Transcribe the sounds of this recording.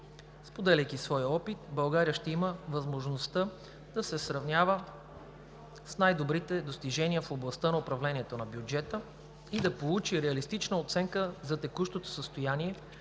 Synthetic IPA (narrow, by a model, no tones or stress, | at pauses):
spod̪ɛlʲɛjk̟isvɔjəɔpit̪̚bɐlˠɡaɾiəʃt̪ɛiməvɐzmoʒnost̪ə | d̪ɐsɛsɾɐvnʲjavə | snajd̪obɾit̪ɛd̪ost̪iʒɛniəfoblˠɐst̪ənɐʊpɾɐvlɛnʲiɛt̪onɐbjud͡ʒɛt̪ə | id̪ɐpolˠut͡ʃiɾɛɐlist̪it͡ʃnəot̪sɛŋkəzɐt̪ɛkuʃt̪ot̪o̥səst̪ojaniɛ